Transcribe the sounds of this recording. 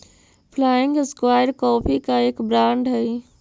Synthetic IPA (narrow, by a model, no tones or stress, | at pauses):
pʰlaɪŋɡskwajɾkɔpʰikaekbɾãɳɖɦəj